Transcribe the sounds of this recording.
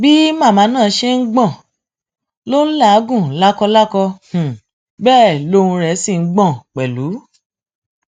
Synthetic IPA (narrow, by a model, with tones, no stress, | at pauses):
bi˦mã˦˨mãː˨˦nãː˦˨˧ʃe˦ŋ̩˦ɡ͡bɔ̃˦˨ | lo˦la˦˨˦ɡũ˦˨la˦kɔ˧la˦kɔ̃˧˨ | bɛː˦˨lo˦ũ˧ɾɛ˧˨˦si˦˨ŋ̩˦ɡ͡bɔ̃˦˨k͡pɛ˨lu˨˦